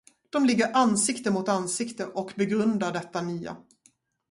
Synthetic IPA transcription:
d̪̥ɔmlɪɡːəɾʔansɪkt̪əmʊt̪ansɪkt̪əʔɔkbɛɡɾɵnd̪aɖɛt̪ːanyːa̰

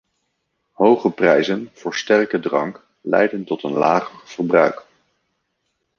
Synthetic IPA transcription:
ɦowχəprɛjzənv̥ʊːɹstɛrkədrɑŋk | lɛ̰jdəntɔtənlaːχərv̥əɹbrœɥk

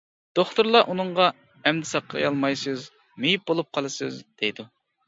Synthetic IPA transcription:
d̪̥oχt̪uɾlˠɑʔunɨɴʁɑ | ɛmd̪ɪsɑqʰːɑ̰jɑlˠmɑjsɨz | mejip̚bolˠup̚qʰɑlˠɨsɨ̰zd̪̥ɛjd̪u

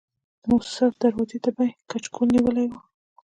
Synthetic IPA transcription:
musəfd̪aɾwazet̪abajkat͡ʃkʰunːiwəlajwu

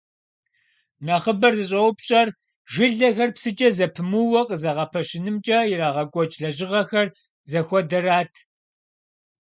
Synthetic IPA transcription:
naχəbɐrzɨɕʼɐwʊpɕʼɐr | ʒɪɮɐxɐrpsɨt͡ʃʼɐzɐpʰɨmuwɐqʼəzɐʁɐpʰɐɕɪnɨmt͡ʃʼɐjɪraːʁɐkʷʼɔt͡ʃʼɮɐʑɪʁɐxɐr | zɐxʷɔdɐɾaːtʰ

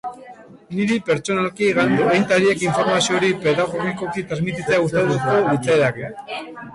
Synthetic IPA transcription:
niɾipe̞ɾt͡ʃo̞nalkiːɣand̪uejnt̪aɾie̞kiɱfo̞ɾmasioɾipe̞ðaɣo̞ɣiko̞kit̪ɾazmit̪it͡seaust̪aðusko̞βit͡saeðake

